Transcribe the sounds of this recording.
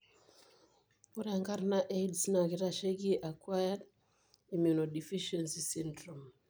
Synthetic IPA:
u˦ɾaŋɡa˦ɾna˦ʔe˦dsna˨kɪ˦ɾa˦ʃe˦ki˦ʔa˨kwa˦jad | imju˨no˨di˨fi˦ʃensi˨si˦ndɾo˨m

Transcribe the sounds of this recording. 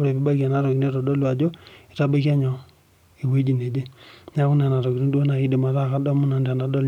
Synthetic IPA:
u˦ɾe˨pi˦ba˦ka˨na˦ɾo˨ki˨ne˦ɾɔ˨dɔ˦lwa˨d͡ʒo˦i˨ta˦be˦kja˦ɲɔ˨ | i˨we˦d͡ʒi˨ne˨d͡ʒe˦ɲa˦ku˦n˦a˨na˨ɾɔ˨ki˨ɾi˦ndo˦na˨i˦di˨ma˨ɾa˦˨ka˦dɔ˦mu˦na˨nda˨na˨dɔ˦l

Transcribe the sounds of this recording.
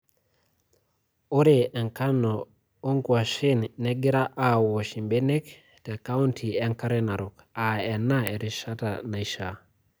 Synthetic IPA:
o˦ɾeʔe˨ŋka˦no˨ | o˦ŋkua˨ʃinne˦ɡi˦ɾa˦ʔa˨wo˨ʃi˨mbe˦ne˦k | te˨ka˦untʰi˨e˦ŋka˦ɾena˨ɾuk | a˨e˨nːae˨ɾi˨ʃa˦ta̰na˨iʃa

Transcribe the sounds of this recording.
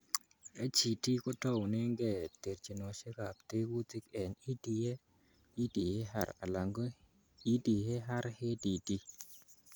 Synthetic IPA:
e˦t͡ʃi˨ti˦kɔ˦tɔ˦wne˦ŋɡɛ˨t̪e˨ɾt͡ʃi˨no˨ʃe˦ka˨pt̪e˦ɡu˦tɪ˦kɛ˨ni˦di˨je˦ | i˦di˨he˦ha̰˦˨ɾa̰˨la˨ŋɡo˦ | i˦di˨he˦ɦa˦ɾhe˦di˨ti˦

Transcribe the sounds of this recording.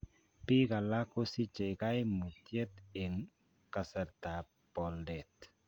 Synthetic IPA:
pi˦ka˨la˦ko˦si˦t͡ʃe˨ka˦jmu˨tje˦t̪e˨ŋ | ka˨sɛ˨ɾta˨ | pɔ˨ldɛ˨t

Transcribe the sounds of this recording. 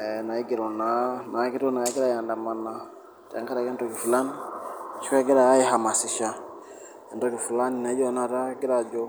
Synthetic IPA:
ɛna˨i˦ɡi˨ɾɔ˨na˨na˨˦ki˦ɾɔ˦na˨ɛ˦ɡɛ˦ɾa˦˨ja˨nda˨ma˨na˨ | ta̰˨˦ŋka˦ɾa˨kɛ˦ntɔ˨ki˨fu˨la˦ni˦t͡ʃi˦kɛ˦ɡɛ˦ɾa˨ja˦ji˦ɦa˨ma˨si˨ʃa˨ | ɛ˨ndɔ˦ki˨fu˨la˦ni˨na˨˦d͡ʒɔ˦na˨ɾa˦ɡi˦ɾa˨d͡ʒɔ˦

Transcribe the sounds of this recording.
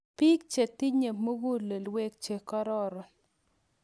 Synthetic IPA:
pi˦k̚t͡ʃe˨ti˦ɲe˨mo˦ɡo˦le˨lwe˦k̚t͡ʃe˨kɔ˦ɾɔ˦ɾɔ˨n

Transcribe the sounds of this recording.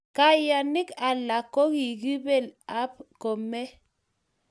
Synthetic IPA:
ka˨ja˨ni˦ka˨la˨kːo˦ki˨ɡi˦be˨la˦pkɔ˨mɛ˦

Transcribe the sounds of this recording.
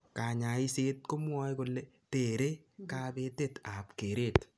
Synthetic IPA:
ka˨ɲa˨i˦se˦t̚ko˦mwɔ˦jko˨lːe | te˨ɾe˦ | ka˦be˦te˦ta˨pke˨ɾeː˦t

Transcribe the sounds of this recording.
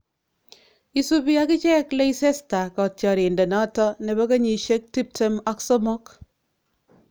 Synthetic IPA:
i˦su˦pi˦a˦kɪ˦t͡ʃɛ˦kle˦ise˦sta˨kɔ˨tjɔ˨ɾi˨nde˨nɔ˦tɔ˦ne˨ba˦kɐ˦ɲi˨ʃe˦k̚ti˦p̚te˦ma˦ksɔ˦mo˦k

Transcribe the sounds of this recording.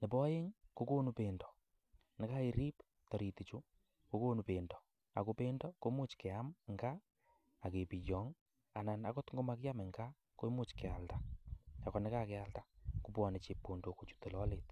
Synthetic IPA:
nɪ˨pɔ˦je˦ŋko˦ko˦nupendɔ̥˨ | nɪ˦ka˦i˨ɾi˦p | tɔ˨ɾi˨ti˨t͡ʃu˦ | ko˦ko˦nu˨pendɔ̥˨ | a˨ko˦pe˦ndɔko˦mu˦t͡ʃkɛ˨amŋɡa˦ | a˨ke˨pi˨jɔ˨ŋ | a˨na˨nakɔ˦tŋɡo˦ma˦kja˦mɪ˨ŋɡa˦ | ko˦mʊ˦t͡ʃkɛ˨alta˦a˨kɔ˨nɪ˦ka˦kɛ˦a˦ltaku˨pwɔ˨ne˨t͡ʃe˨pːo˨ndo˨ko˨t͡ʃu̥te˨lɔ˦let

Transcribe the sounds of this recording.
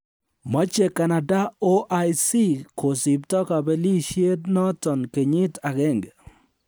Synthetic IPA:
mɔ˦t͡ʃe˨ka˨na˨da˦o˦ʔa˦jsi˦ko˨sɪ˨p̚tɔ˦ka˨bɛ˦li˦ʃje˦tnɔ˦tɔ˨nke˨ɲɪ˦ta˨ɣɛ˦˨ŋɡ

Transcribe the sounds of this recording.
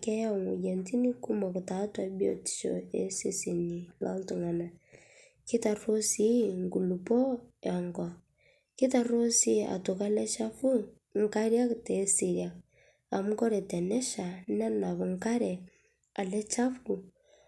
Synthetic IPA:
kɛ˦ja˦˨ŋu˨je˨nti˦ni˦ku˦mɔ˨ku˨ta˨˦twa˦bi˦o̰˨ti̥˨ʃo̰˨e˦se˦si˨ni˨lɔ˦ltu˨ŋa˨na˨ | ki˦ta˨ro˦si˦ŋɡu˨lu˨pɔ˦ɔ˨ŋɡɔ˨ | ki˦ta˨ro˦si˦a̰˨to˨ka˦lɛ˦t͡ʃa˦fu˦ | ŋ̩˦˨ka˦ɾja˦kte˨˦si˨ɾja˨k̚ | a˨m˦kɔ˦ɾɛ˨tɛ˨nɛ˦ʃa˨na˦na˨βu˨ŋka˦ɾɛ˨ | a˨lɛ˦t͡ʃa˦fu˨

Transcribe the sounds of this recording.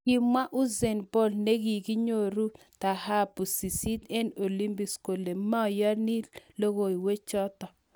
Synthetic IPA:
ki˦ma˦ʔu˦zɛ˨nbo˦lne˦ɡi˨ɡi˦ɲo˦˨ɾu˦ | t̪a˨ha˦pu˨si˨si˦tɛ˦no˨li˦mbi˨sko˨le˨ma˦ɔ˨ja˦ni˦lo˦ɣo˨i˨we˦t͡ʃɔ˦t̪ɔ˨

